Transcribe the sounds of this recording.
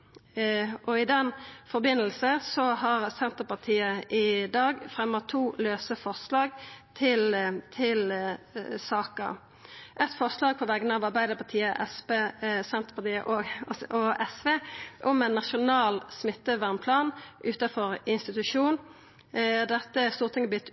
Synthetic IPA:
ʔɔɪd̪ɛnfɔʁbɪnːəlsəsɔɦɑʁsɛnt̪əʁpɑt̪ʰiːəʔɪd̪ɑːɡfʁɛmːət̪ʰːuːløːsəfɔʁslɑːɡt̪ʰɪlt̪ʰɪl | sɑːkə̰ | ʔɛt̪fɔʁslɑːɡ̚pʰɔʋɛɡənəɑʋɑʁbæɪd̪əʁpʰɑt̪ʰiːəʔɛspesɛnt̪əʁpɑʁt̪iːə̰ʔɔɔɛsʋeːʔʊmɛnːɑʃʊnɑːlsmɪt̪ːəʋæʁmpʰlɑːnʔʉːt̪ɑfɔʁɪnst̪ɪt̪ʉʂuːn | d̪ɛt̪ːəæʁst̪uːʁt̪ʰɪŋəblʏt̪ː

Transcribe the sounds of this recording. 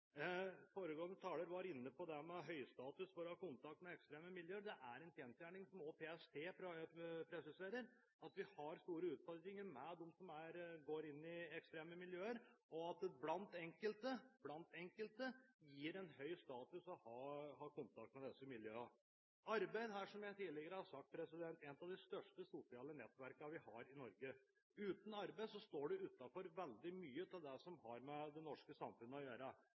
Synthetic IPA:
foːɾəɡoːənət̪ʰɑːləɾʋɑɾɪnːəpɔd̪ɛmɛɦœʏst̪ɑːt̪ʉsfɔɾɔhɑːkʊnt̪ɑk̚t̪mɛɛkst̪ɾeːməmɪljøːɾɖ̪ɛʔæɾɛnfjɛnst̪jæːɳɪŋsɔmɔpʰeːɛst̪ʰeːpɾpʰɾɛsɪseːɾəɾ | ɑt̪ʋɪhɑɾst̪uːɾəʉːt̪fɔɾkɪŋəɾmɛd̪ɛmsɔmæɾɡoːɾɪnːɪɛkst̪ɾeːməmɪljøːəɾɔɑt̪blɑnt̪ɛŋkəlt̪əb̥lɑnt̪ɛŋkəlt̪əjiːɾɛnɦœʏst̪ɑːt̪ʉsɔhɑːɦɑːkʊnt̪ʰɑk̚t̪mɛd̪ɛsəmɪljøːɑ | ɑɾbæɪd̪ɦæːʂɔmjæɪt̪ʰiːlɛɡəɾəhɑʂɑk̚t̪̚pʰɾɛsɪd̪ɛnt̪ɛnət̪ɑʋd̪ɪst̪œʂʈəsʊsɪɑːlənɛt̪ːʋæɾkɑʋɪhɑɾɪnɔɾɡə | ʉːt̪n̩ɑɾbæɪsɔst̪oːɖʉʉːt̪ːɑfɔɾʋɛld̪ɪmyːət̪ʰɪld̪ɛsɔmhɑɾmɛd̪ɛnɔʂkəsɑmfʉnːəɔjøːɾə

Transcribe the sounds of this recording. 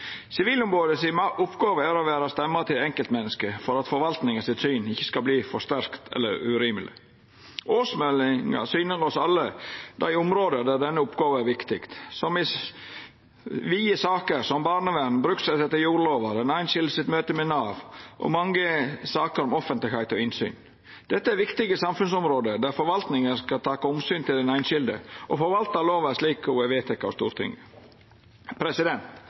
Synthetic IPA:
sɪʋiːlʊmɾoːd̪əsɪʔʊpɡɑːʋəæɾɔʋæːɾɑst̪ɛmːɑt̪ʰɪlɛŋkəlt̪mɛnːəskəfɔɾɑt̪fɔɾʋɑlt̪nɪŋɑsɪt̪syːnɪçːə̥skɑbliːfɔʂt̪æɾkt̪ʰɛ̰lːəɾʉ̰ɾiːməlɪ̰ | ʔoːsmɛlɪŋɑ̰syːnəɾɔsɑlːəd̪æɪʊmɾoːd̪əd̪æɖ̪ɛnːəʊpɡɑːʋəæɾʋɪkt̪ɪkt̪sɔmɪ | ʋiːəsɑːkəɾsɔmbɑːɾnəʋɛnn̩bɾʉksæt̪ɛt̪ːəɾjuːɾloːʋɑd̪ɛnæɪnʃɪld̪əsɪt̪møːt̪əmɛnɑːʋʔɔ̰mɑŋːəsɑːkəɾɔmɔfənt̪lɪhæɪt̪ɔɪnsy̰ːn | d̪̥ɛt̪ːəæɾʋɪkt̪ɪɡəsɑmfʉnsɔmɾoːd̪əd̪æɾfɔɾʋɑlt̪nɪŋəskɑt̪ʰɑːkɑɔmsyːnt̪ɪlɛnæɪnʃɪld̪ə̰ʔɔfɔɾʋɑlt̪ɑloːʋæʂliːkʊeʋeːt̪ʰɛkːɑɔst̪ṵːɾt̪ʰɪ̰ŋ | pʰɾɛsɪd̪ɛnt̪

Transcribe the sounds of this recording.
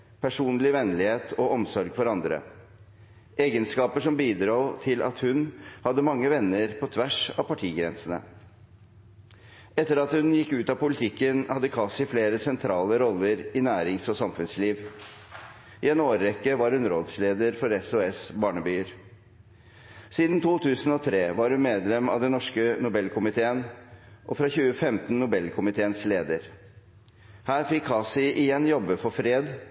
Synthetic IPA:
pʰæʂuːnlɪʋɛnlɪheːt̪ʰɔɔmsɔɾɡfɔɾɑnd̪ɾə̰ | ʔeːɡənskɑːpəʂɔmbiːd̪ɾuːt̪ʰɪlʔɑ̰t̪hʉnhɑd̪ːəmɑŋːəʋɛnːəɾpʰɔt̪ʰʋæʂɑʋpɑʈʰiːɡɾɛnsənə̰ | ɛt̪ːəɾɑt̪hʉnjɪkːʉːt̪ɑpʊlɪt̪ʰɪkːənhɑd̪ːəkʰɑsɪfleːɾəsɛnt̪ʰɾɑːləɾɔlːəɾɪnæːɾɪŋsɔsɑmfʉnsliːʋ | ʔɪɛnoːɾːɛkːəʋɑɾhʉnɾoːd̪sleːd̪əɾfɔɾɛsʊɛsbɑːɳəbyːəɾ | siːd̪n̩t̪ʰuːt̪ʰʉːsən̩ɔt̪ʰɾeːʋɑɾhʉnmeːd̪lɛmɑ̰ʋd̪ɛnɔʂkənʊbɛlːkʰʊmɪt̪ʰeːənʔɔfɾɑçʉːəfɛmt̪n̩nːʊbɛlːkʰʊmɪt̪ʰeːənsleːd̪əɾ | hæːɾfɪkʰːɑːsɪʔɪjɛnːjɔbːəfɔfɾeːd̪

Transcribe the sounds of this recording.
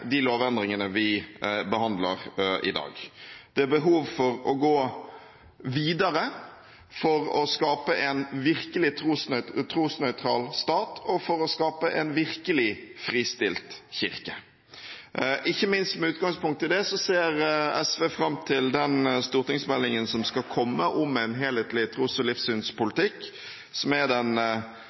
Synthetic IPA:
d̪ɪloːʋɛnd̪ʁɪŋənəʋɪbəhɑnd̪lə̰ʁʔɪ̰d̪ɑ̰ːɡd̪̥ɛæbəɦuːʋfɔɾɔɡoː | ʋiːd̪əɾə | fɔɾɔskɑːpəʔɛnʋɪʁkəlɪt̪ʰɾuːsnœt̪ʰɾuːsnœʏt̪ʰɾɑːlst̪ɑːt̪ʰɔfɔɾɔskɑːpəʔɛnʋɪʁkəlɪfʁiːst̪ɪlt̪çɪʁkə | ʔɪçːəmɪnst̪mɛʉːt̪̚ɡɑŋspʊŋkt̪ʰːɪld̪ɛsɔseːɾɛsʋeːfɾɑmt̪ʰɪld̪ɛnst̪uːʁt̪ɪŋsmɛlːɪŋənsɔmskɑkʰɔmːəʔɔmɛɪnɦeːlheːt̪lɪt̪ʰɾuːsɔlɪfsyːnspʊlɪt̪ʰɪkː | sɔmæd̪ɛn

